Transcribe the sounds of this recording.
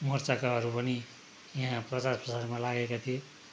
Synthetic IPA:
mʌrt͡sakaɦʌɾupʌni | jaɦãprʌt͡sarprʌsarmalaɡekat̪ʰijo

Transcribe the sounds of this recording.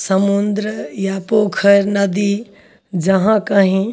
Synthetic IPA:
səmund̪ɾəjapoːkʰəɾnɐd̪i | d͡ʒɐɦãkəɦĩ

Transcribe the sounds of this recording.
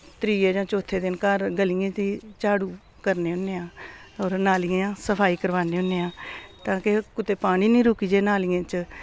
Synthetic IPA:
t̪ɾiːed͡ʒãːt͡ʃoːt̪ʰːeːd̪ɪnkəɾɡəliẽːt̪iːt͡ʃaːɽuː | kəɾneːʊnːeːãːɔːɾnaːliẽãːsəpʰaːiːkəɾʋaːneːʊnːeːãːt̪ãːkekʊt̪eːpaːɽ̃iːnĩːɾʊːkiːd͡ʒeːnaːliãːt͡ʃ

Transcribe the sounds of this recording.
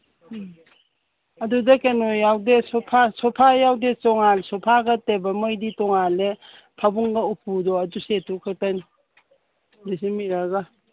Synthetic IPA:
ɐdudɐkenojːawdesɔpʰasɔpʰajawdet͡ʃɔŋalsɔpʰaɡɐtebɐmɔjditɔŋale | pʰabuŋɡaupʰudɔɐdusetukʰɯk̚tani | disimiɾaɡa

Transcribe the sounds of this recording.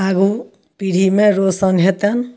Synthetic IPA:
aɡu | piɾ̤ʱimẽɾosʌnɦet̪an

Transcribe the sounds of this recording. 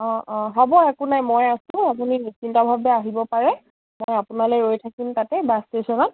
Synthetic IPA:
ɔ̃ɦɔbɔɛkunajmojasʊ̃apuninit͡ʃintɔbʱabɛaɦibɔpaɹɛ | mojapunaleɹojtʰakimtatɛbastesɔnɔt

